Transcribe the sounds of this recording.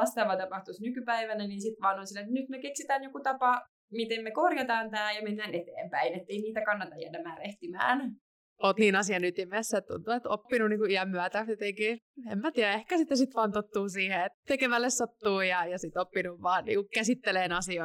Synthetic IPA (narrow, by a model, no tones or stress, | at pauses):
ɑst̪ɑʋɑt̪ɑpɑht̪usnykypæiʋænæniːnsit̪ʋɑːnonsilːet̪nyt̪mekeksit̪æːnjokut̪ɑpɑ | mit̪emmekorjɑt̪ɑːnt̪æːjɑmenːæːnet̪eːmpæinet̪ːeiniːt̪ækɑnːɑt̪ɑjjæ̰dːæmæːɾeht̪imæ̰ːn | oːt̪niːnɑsiɑnyt̪imesːæet̪t̪ṵnt̪uet̪o̰pːinuniːŋkuiæmːyæt̪æet̪eŋkiemmæt̪iːæehkæsit̪ːesit̪ʋɑːnt̪ot̪ːuːsiːheet̪t̪ekeʋælːessot̪ːuːjɑjɑsit̪opːinuʋʋɑːnnḭːŋkukkæsit̪ːeleːnɑsio